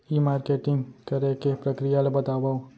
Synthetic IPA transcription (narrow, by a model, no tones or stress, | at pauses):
imaːɾkeːʈɪ̃ŋɡkɐɾekepɾəkɾijalabət̪aːbao